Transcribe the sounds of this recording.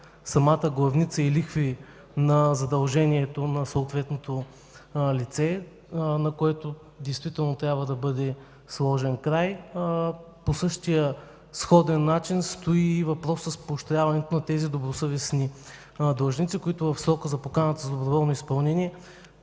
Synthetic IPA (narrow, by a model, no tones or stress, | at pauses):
sɐmat̪əɡlˠɐvnit̪səilixfi | nɐzɐd̪ɐlˠʒɛniɛt̪onɐsɐːt̪vɛt̪not̪o | lit̪sɛ | nɐkoɛt̪o | d̪ɛjst̪vit̪ɛlˠnot̪ɾʲjabvəd̪ɐbɤd̪ɛ | slˠɔʒɛnkɾaj | posɤʃt̪ijə | sxɔd̪ɛnːat͡ʃinst̪oiːvɐpɾɔsːəspoʃt̪ɾʲavɐnɛt̪onɐt̪ɛzid̪obɾosɤvɛsni | d̪əʒnit̪sikoit̪ʊvɐfsɾɔkəzɐpokanət̪əzd̪obɾovɔlˠnoispɐlˠnɛniɛ